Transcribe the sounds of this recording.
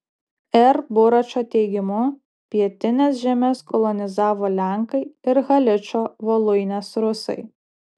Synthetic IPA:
ɛɾbʊɾɐt͡ʃʲoːt̪ʲɛɪɡʲɪmʊ | pʲiɛt̪ʲɪnʲeːsʒʲæmʲɛskɔlˠɔnʲɪzɑːʋoːlʲæˑŋkɐɪɪɾɣɐlʲɪt͡ʃʲoːʋolˠʊɪnʲɛsɾʊsɐ̰ɪ

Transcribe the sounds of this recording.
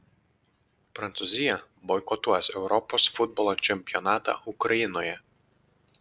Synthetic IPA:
pɾɐnt̪sʊzʲɪjɛ | bɔjkɔt̪uɔsɛʊɾɔpoːsfʊd̪̚bɔlˠot͡ʃʲɛmʲpʲɪjɔnɑːt̪ɑ̰ʔʊkɾɐjɪnoːjɛ

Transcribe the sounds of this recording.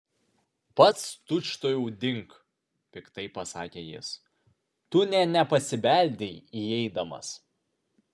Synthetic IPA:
pɐt̪st̪ʊt͡ʃt̪oːjuːd̪ʲɪŋk | pʲɪkt̪ɐɪpɐsɑːkʲeːjɪ̰s | t̪ʊnʲɛnʲɛpɐsʲɪbʲæˑlʲd̪ʲɛɪiɛɪd̪ɐmɐ̰s

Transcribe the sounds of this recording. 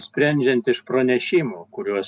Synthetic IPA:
sʲpʲɾʲɛnʲd͡ʒʲɛnt̪ɪʃpɾɐnʲɛʃʲiːmoːkʊɾʲuɔs

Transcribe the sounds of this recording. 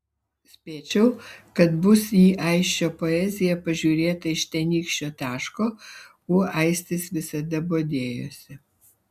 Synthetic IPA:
sʲpʲeːt͡ʃʲɛʊkɐt̪bʊsiːʔɐɪʃʲt͡ʃʲoːpoɛzʲɪjɛpɐʒʲuːɾʲeːt̪ɐɪʃt̪ʲɛnʲiːkʃʲt͡ʃʲoːt̪ʲæːʃkoː | oːʔɐɪsʲt̪ʲɪsʋʲɪsɐd̪ɐboːd̪ʲeːjo̰ːsʲɪ

